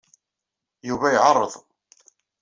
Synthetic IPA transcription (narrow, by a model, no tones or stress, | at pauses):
juvæjʕɑrˤːəðˤ